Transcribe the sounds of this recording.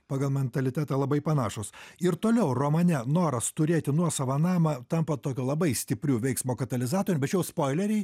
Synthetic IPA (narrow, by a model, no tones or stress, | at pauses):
pɑːɡɐlˠmʲɛnt̪ɐlʲɪt̪ʲæːt̪ɐːlˠɐbɐɪpɐnɑːʃʊsɪɾt̪oːlʲɛʊroːmɐnʲɛnoːɾɐst̪ʊɾʲeːt̪ʲɪnuɔsɐʋɐnɑːmɐt̪ɐmpɐt̪oːkʲuːlˠɐbɐɪsʲt̪ʲɪpʲɾʲuːʋʲɛɪksmoːkɐt̪ɐlʲɪzɑːt̪oːɾʲʊbʲɛtt͡ʃjɛʊspoːɪlʲɛɾʲɛɪ